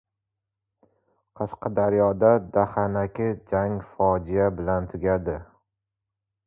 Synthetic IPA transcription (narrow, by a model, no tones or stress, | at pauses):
qʰɑʃqʰɑd̪aɾjɒd̪ad̪ahanakʲɪd͡ʒaŋfɒd͡ʒijabɪlant̪ʰʊɡʲad̪ɪ